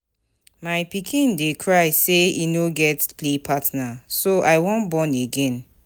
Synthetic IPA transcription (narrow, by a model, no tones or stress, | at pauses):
maɪpikʰĩndekʰɹaɪseinoɡɛtplepʰatnasoʔaɪwɔ̃nbɔ̃neɡɛ̃n